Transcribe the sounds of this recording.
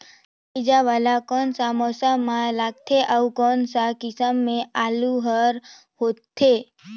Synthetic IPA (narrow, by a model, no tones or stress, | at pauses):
id͡ʒaʋalakɔnsamɔsəmːãlaːɡ̚t̪ʰeʔəukɔnsakɪsəmːẽaluɦəɾ | ɦott̪ʰːe